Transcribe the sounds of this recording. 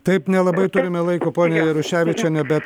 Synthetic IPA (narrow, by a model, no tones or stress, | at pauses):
t̪ɐɪpnʲɛlˠɐbɐɪt̪ʊɾʲɪmʲɛlˠɐɪkoːpoːnʲɛjɛɾʊʃʲæːʋʲɪt͡ʃʲɛnʲɛbʲɛt̪